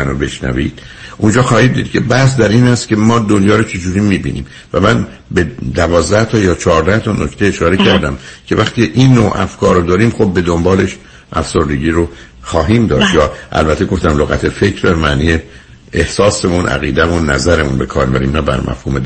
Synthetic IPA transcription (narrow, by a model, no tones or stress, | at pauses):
ænobe̞ʃnæ̰vḭːd̪̥ | ʔund͡ʒɒːxɒːhiːd̪̚d̪iːd̪̥cʰe̞bæhs̬d̪æɾiːnhæst̪cʰe̞mɒːd̪o̞njɒːɾot͡ʃʰe̞d͡ʒuːɾiːmiːbḭːnḭːm | væmæn | be̞d̪ævɒːzd̪æht̪ʰɒːjɒːt͡ʃʰɒːɾd̪æht̪ʰɒno̞cʰt̪ʰeeʃɒːɾe̞cʰæɾd̪æmcʰe̞væxt̪ieʔinːoːʔæ̰fkʰɒːɾod̪ɒːɾiːmxo̞b̚ːe̞d̪o̞mbɒːle̞ʃ | ʔæfsoɾd̪e̞ɟiːɾo | xɒːɦiːmd̪ɒːʃt̪jɒːʔæ̰lbæt̪ʰːeɡo̞ft̪æmloɣæt̪ʰe̞fe̞cʰɾbmæniːje | ehsɒːsemunʔæ̰ɣḭːd̪æmunːæ̰zæɾemunbe̞kʰɒːɾnebæɾḭːmnæbæ̰ɾmʔæ̰fhuːme